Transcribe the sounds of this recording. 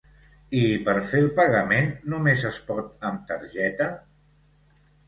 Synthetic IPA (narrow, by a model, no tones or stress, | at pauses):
ipəɾfelˠpəɣəmenːumezəspɔt̪̚əmt̪əɾʒɛt̪ə